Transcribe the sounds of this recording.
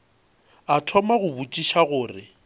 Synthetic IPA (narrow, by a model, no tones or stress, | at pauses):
atʰɔmaɣʊbut͡ʃʼiʃaɣʊːrɪ